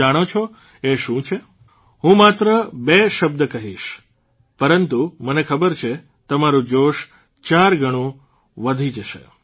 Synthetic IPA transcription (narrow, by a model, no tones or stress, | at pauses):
aɽ̃ot͡ʃʰo | eʃũt͡ʃʰe | ɦũmat̪ɾəbeʃəb̚d̪əkəɦiʃ | pəɾənt̪umənekʰəbəɾt͡ʃʰe | t̪əmaɾũd͡ʒoʃ | t͡ʃaɾɡʱəɽ̃ũ | ʋəd̪ʱid͡ʒəʃḛ